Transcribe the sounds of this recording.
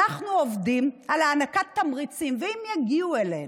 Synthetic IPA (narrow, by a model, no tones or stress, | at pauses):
aχnuovdimalaːnakat̪ːamʁit͡simveimjaɡiuelḛn